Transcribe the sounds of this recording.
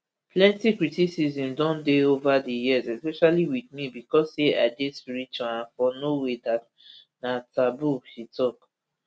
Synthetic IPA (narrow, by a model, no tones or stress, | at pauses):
plɛ̃ntikɹitisizĩmdɔ̃ndeovadijiəzɛspɛʃaliwiθmibikɔsea̰ɪdespiɹit͡ʃaãnfɔnowedat | natabuʃitɔk